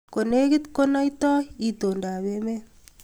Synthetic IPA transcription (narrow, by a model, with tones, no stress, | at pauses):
ko˨ne˦ki˦tko˦na˦jtɔ˦i˨to˨nda˨βe˦me˦